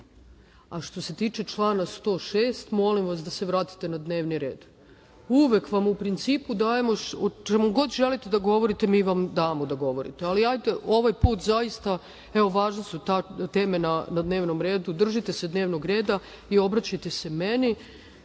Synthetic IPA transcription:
aʃt̪o̞se̞t̪iːt͡ʃe̞t͡ʃlˠaːnast̪o̞ːʃeːst̪mo̞limʋasd̪aseʋɾaːt̪i̥t̪e̞nad̪ne̞ːʋniɾe̞̰ːd̪ | uʋekʋamupɾint̪siːpud̪aːje̞mo̞ot͡ʃemoɡo̞d̪ʒelit̪ed̪aɡo̞ʋo̞ɾit̪emiːʋamd̪aːmo̞d̪aɡo̞ʋo̞ɾḭt̪ealiajt̪eʔo̞ʋajpuːt̪zajist̪a | eo̞ʋaːʒnesut̪at̪e̞ːme̞nanad̪ne̞ːʋnomɾe̞ːd̪ud̪r̩ʒit̪ese̞d̪ne̞ːʋnoɡɾe̞ːd̪a | io̞bɾat͡ɕajt̪e̞se̞meni

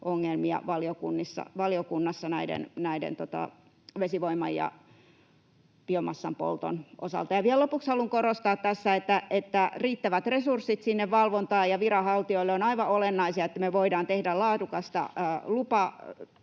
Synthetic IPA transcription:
ʔoŋːelmiɑ̰ʋɑliokunːisːɑ̰ʋɑliokunːɑsːɑnæidḛnnæidḛnt̪ot̪ɑ̰ | ʋesiʋoimːˑɑ̰jjɑ̰ | piomɑsːɑmpo̰lt̪o̰nʔo̰sɑ̰lt̪ɑjɑʋiællopukshɑluŋkorost̪ɑːt̪t̪æsːæet̪ːæʔet̪ːæriːt̪ːæʋæt̪resursːit̪sinːeʋʋɑlʋont̪ɑːjɑʋirɑhɑlt̪ioilːeonɑiʋɑolenːɑisiɑet̪ːæmeʋoidɑːnt̪ehdællɑːdukɑst̪ɑ̰ːlupɑ

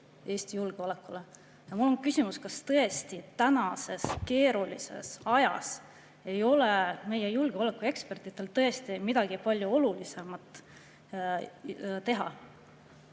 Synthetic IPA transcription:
e̞ːst̪ijulɡ̥eole̞kːˑule̞ | jɑmulːo̞nkysʲimuskɑst̪ɤ̞est̪it̪ænɑse̞ske̞ːɾulḭse̞̰sɑjɑ̰s | e̞jo̞leme̞jejulɡ̥eo̞le̞kːˑue̞kspe̞rt̪ˑit̪ːˑe̞lt̪ɤ̞e̞st̪imid̪̥ɑɡ̥ipɑlʲjuo̞lulise̞mɑt̪ˑː | t̪e̞ɦɑ̰

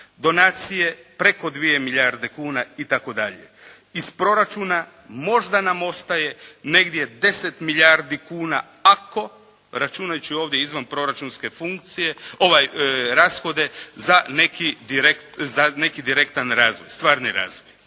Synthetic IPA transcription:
d̪o̞naːt̪sije̞pɾe̞ko̞d̪ʋije̞miʎaɾd̪e̞kuːnait̪ako̞d̪aʎe̞̰ | ispɾo̞ɾat͡ʃuːna | mo̞ʒd̪anamo̞st̪aje̞ne̞ɡd̪je̞d̪e̞se̞t̪miʎaɾd̪ikuːna̰ | ako̞ | ɾat͡ʃunajut͡ʃio̞ːʋd̪je̞izʋanpɾo̞ɾat͡ʃunske̞fuŋk̚t̪sije̞oʋajɾaːsxo̞d̪e̞zane̞kid̪iɾektzane̞kid̪iɾe̞kt̪anɾaːzʋojst̪ʋaːɾniɾa̰ːzʋoj

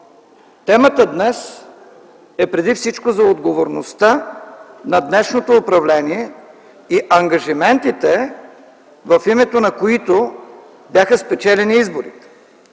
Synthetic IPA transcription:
t̪ɛmət̪əd̪nɛs | ɛpɾɛd̪ifsit͡ʃkozɐod̪ɡovoɾnost̪a | nɐd̪nɛʃnot̪oːpɾɐvlɛniɛ | iʔɐŋɡɐʒimɛnt̪it̪ɛ | vɐfimɛt̪onɐkoit̪o | bjaxəspɛt͡ʃɛlɛniizboɾḭt̪ɛ̥

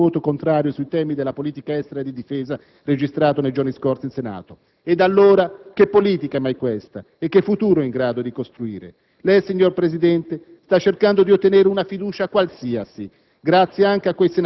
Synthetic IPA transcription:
oːt̪okont̪ɾaːɾjosuit̪ɛːmid̪elːapoliːt̪ikaɛst̪eɾaed̪id̪ifɛːza | red͡ʒist̪ɾaːt̪onejd͡ʒorniskortsinsena̰ːt̪o | ed̪alːoːɾak̟epːoliːt̪ikaɛmːajkwɛst̪a̰ | ekːefːut̪uːɾoɛiŋɡɾaːd̪od̪ikost̪ɾuḭːɾḛ | lɛjsiɲːorpɾezid̪ɛnt̪e | st̪at͡ʃːerkand̪od̪iot̪ːeneːɾeunafid̪uːt͡ʃakwalsiːasi | ɡɾat̪sːjeaŋk̟eakːwejsen

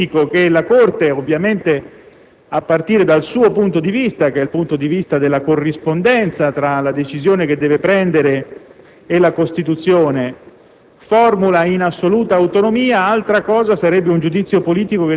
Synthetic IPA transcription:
ikok̟elakort̪eovːjament̪e | apːart̪iːɾed̪alsuːopunt̪od̪ivist̪ak̟ɛilpunt̪od̪ivist̪ad̪elːakorːispond̪ɛnt̪sat̪ɾalad̪et͡ʃizjoːnek̟ed̪ːɛːvepɾɛnd̪eɾeː | lakost̪it̪ut̪sːjoːne | fɔrmulainasːoluːt̪aːwt̪onomiːaalt̪ɾakɔːzasaɾɛbːeund͡ʒud̪it̪sːjopoliːt̪ikoke

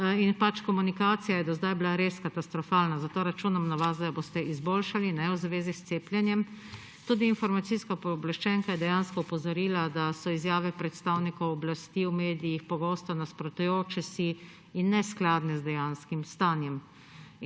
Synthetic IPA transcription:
inpat͡ʃkɔmunikaːt̪sijajɛd̪ɔzd̪ajblaɾeskat̪ast̪ɾɔfaːlnazat̪oːɾat͡ʃunamnaʋazd̪abost̪ɛizboːlʃalinɛwzʋeːzist̪seːpljɛnjɛm | t̪uːd̪iːnfɔɾmat̪siskapoblaʃt͡ʃɛŋkajɛd̪ɛjanskɔupɔzɔɾiːlad̪asɔizjaːʋɛpɾɛt̪st̪awnikɔwɔblast̪iːwmeːd̪ijixpɔɡoːst̪ɔnaspɾɔt̪ujoːt͡ʃɛsiː | nːɛsklaːd̪nɛzd̪ɛjanskimst̪aːnjɛm

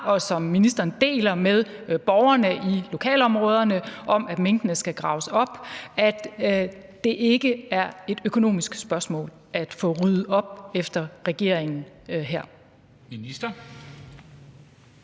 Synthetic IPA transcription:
ɒ̽sɒ̽mːinisd̥ɐnd̥e̝̰ːlɐmeð̞ˠb̥ɒʊɐnəʔilo̝kʰɛ̰ːlɒ̽mʁɔ̽ːð̞ˠɐnəʔɒ̽mæd̥meŋ̰d̥ənəsɡ̥æɡ̥ʁɑ̈ʊsɒ̽b̥æd̥ | d̥e̝ʔe̝ɡ̥əæɐe̝d̥økʰo̝no̝̰ːmisɡ̥sb̥ɶɐsmɔ̰̽ːl | æd̥fɔ̽ʁyð̩ˠɒ̽b̥efd̥ɐʁɛɡ̥e̝ɐ̰eŋn̩ | ɦæɐ̰ | minisd̥ɐ

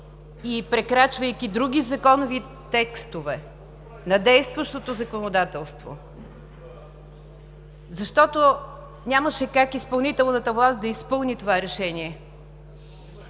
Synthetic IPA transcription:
ipɾɛkɾat͡ʃvəjkid̪ɾuɡ̟ʲizɐkɔnovi | t̪ɛkst̪ovɛ | nɐd̪ɛjst̪vəʃt̪ot̪ozɐkonod̪at̪ɛlˠst̪vo̰ | zɐʃt̪ɔt̪o | nʲaməʃɛkakispɐlˠnit̪ɛlˠnət̪əvlˠast̪̚d̪ɐispɤlˠnit̪ovaɾɛʃɛniɛ

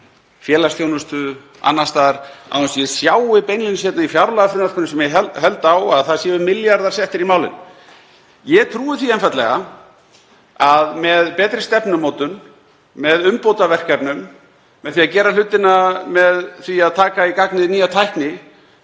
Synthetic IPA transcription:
fjɛːlasjownʏst̪ʏ | a̰nːast̪aːɾ̥a̰ɛnsjɛsjaːwɪpejnjʏnsjɛt̪naifjawɾlaðafɾɪnaɾ̥kʰɔɾnɪsɛmjɛɛɦɛlt̪awaðθaðsjɛːvʏmɪljaɾðaɾsjɛht̪ɪɾimaːwlɪ̰n | jɛt̪ʰɾuːvɪθiɛnfajt̪lɛɣa | aðmɛðpɛːt̪ɾɪst̪ɛpnʏmoːwt̪ʏn | mɛðʏmpowt̪avɛr̥kapnʏmː | ɛðθiaðcɛːɾal̥ʏt̪ːɪnamɛðθiaðt̪ʰaːkaikaknɪðniːjat̪ʰajhknɪ

